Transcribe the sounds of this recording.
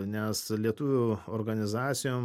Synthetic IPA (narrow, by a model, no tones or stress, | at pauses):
nʲɛslʲiɛt̪uːʋʲʊoɾɡɐnʲɪzɑːt̪sʲɪjoːm